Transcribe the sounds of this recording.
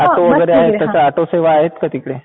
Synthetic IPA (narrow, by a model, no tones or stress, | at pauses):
aʈoʋəɡəɾeaɦet̪ːjat͡saaʈoseʋaːɦet̪kət̪iːkɽe